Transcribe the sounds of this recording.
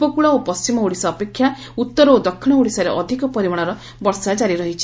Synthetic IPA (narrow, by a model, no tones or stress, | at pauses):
pɔkuɭaopɔst͡ʃimɔuɽisɔːpekʰːja | ut̪ːɔɾɔod̪ɔkʰːiɽ̃ɔuɽisaɾeʔɔd̪ʱikɔpɔɾimɔɽ̃ɔɾɔ | bɔɾsad͡ʒaɾiɾɔɦit͡ʃʰi̥